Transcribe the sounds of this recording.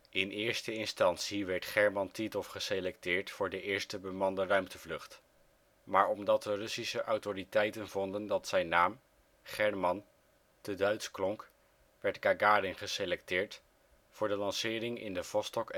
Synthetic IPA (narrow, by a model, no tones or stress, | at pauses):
ɪnɪːɹstəɪnstɑntsiʋɛɹtχɛɹmɑntitɔfχəselɛktɪːɹtfʊːɹdəʔɪːɹstəbəmɑndərœɥmtəvlɵχt | maːɹɔmdɑt̚dərɵsisəʔɑwtoritɛjtənvɔndəndɑtsɛjnːaːm | χɛɹmɑn | tədœɥtsklɔŋk | ʋɛɹtɡaɡaːɾɪnχəselɛktɪːɹt | fʊːɹdəlɑnsɪːrɪŋɪ̰ndəv̥ɔstɔk